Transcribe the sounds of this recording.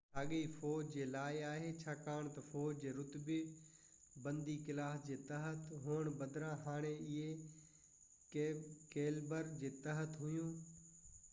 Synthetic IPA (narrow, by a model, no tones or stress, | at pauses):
aːɠiːfoːd͡ʑd͡ʑeːlaːɪaːɦeːt͡ɕʰaːkaːɽ̃t̪ɐfoːd͡ʑd͡ʑeːɾʊt̪bɪ | bə̃nd̪ikɪlaːsd͡ʑeːt̪ɐɦət̪ɦʊːəɳ̃bɐd̪ɾãːɦaːɽ̃eɪɦe | keːlbəɾd͡ʑeːt̪əɦət̪ɦʊjũː